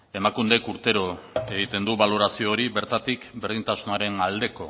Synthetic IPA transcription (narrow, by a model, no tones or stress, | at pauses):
e̞makund̪e̞kuɾt̪e̞ɾo̞e̞ɣit̪e̞nd̪uβalo̞ɾasio̞ːɾibe̞ɾt̪at̪ikbe̞ɾðint̪asunaɾe̞nald̪e̞ko̞